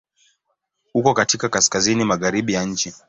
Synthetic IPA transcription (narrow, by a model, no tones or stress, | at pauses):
hukɔkatikakaskazinimaɣaɾiɓijaɲ̩t͡ʃi